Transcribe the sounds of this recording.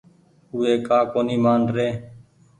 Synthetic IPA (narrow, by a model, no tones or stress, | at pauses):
uːeːkaːkoːniːmaːnɾeː